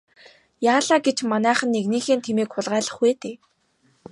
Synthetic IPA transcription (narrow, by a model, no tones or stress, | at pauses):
jaːɮaːɡet͡ɕmanæːχə̆nːekniːxeːnt̪ʰemeːkχʊɮʁæːɮə̆χweːt̪eː